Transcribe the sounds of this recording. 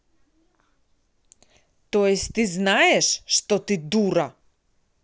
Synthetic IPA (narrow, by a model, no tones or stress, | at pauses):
t̪ojɛsʲt̪iznaɛʃːt̪ot̪id̪uɾa